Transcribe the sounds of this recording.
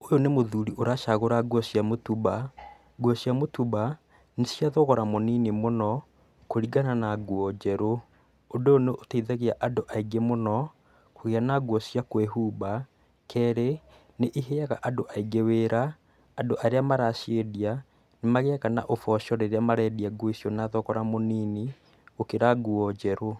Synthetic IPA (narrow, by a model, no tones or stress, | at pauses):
ojonemoðuɾiʔoɾaʃaɣoɾaɡwɔsiamotuβa | ɡwɔsjamotuba | nesjaðɔɣɔɾamoniːnemonɔ | koɾiɡananaɡwɔd͡ʑɛɾoː | ndooneʔotaiðaɣeaʔandoʔaiɡemonɔ | koɣeanaɡwɔsjakweɦuːba | kɛːɾe | neʔiɦeaɣaʔadoʔaiɡeweːɾaː | ndoʔaɾeamaɾaʃeðia | nemaɣeakana̰ʔofɔʃɔɾeɾeamaɾɛdiaɡwoisjɔnaðɔkɔɾamonini | okeɾaɡuɔd͡ʑɛɾo